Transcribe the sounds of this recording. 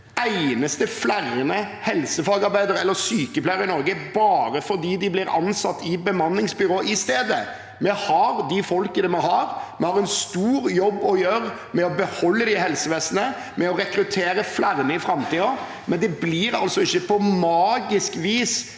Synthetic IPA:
æɪnəst̪əflæɾənəhɛlsəfɑːɡɑɾbæɪd̪əɾɛlːəɾsyːkəplæɪəɾɪnɔɾɡəbɑːɾəfɔɾd̪iːd̪ɪblɪɾɑ̰nsɑt̪ːɪbəmɑnːɪŋsbʏɾoːʔɪst̪eːd̪ə | mɛhɑɾd̪ɪfɔlkənɛmɛhɑɾmɛhɑːɾɛnst̪uːɾjɔbːɔjøːɾ | mɛɔbəhɔlːəd̪ɪhɛlsəʋeːsənə | mɛɔɾɛkɾʉt̪ʰeːɾəflæɾənəɪfɾɑmt̪iːɔ | mʔɛnd̪ɛbliɾɑ̰lsɔɪçːəpʰɔmɑːɡɪskʋiːs

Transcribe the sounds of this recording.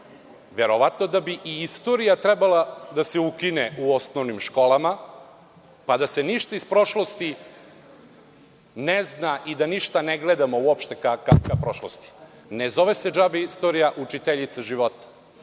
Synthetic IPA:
ʋe̞ɾoʋat̪no̞d̪abiʔiist̪o̞ɾijat̪ɾɛbalad̪aseukineʔuo̞snoʋnimʃko̞lama | pad̪ase̞niʃt̪aispɾo̞ʃlo̞st̪i | neznaʔid̪aniʃt̪aneɡled̪amouopʃt̪ekakakʋapɾoʃlost̪i̥ | nezo̞ʋesed͡ʒabeist̪oɾijaʔut͡ʃit̪eʎit̪saʒiʋot̪ḁ

